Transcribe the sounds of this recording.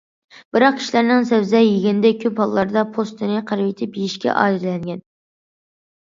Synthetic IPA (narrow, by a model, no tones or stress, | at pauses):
b̥ɨɾɑq̚kʰʲi̥ʃlæɾnɪŋsɛvzɛjiɡʲɪnɪd̪ɛkʲʰyphɑlˠlːˠɑɾd̪ɑpʰost̪ʰɨnɨqʰæɾvit̪ʰɪpjiʃkʲɛ̰ʔɑ̰ːd̪ɪɾlɛŋɡʲɛn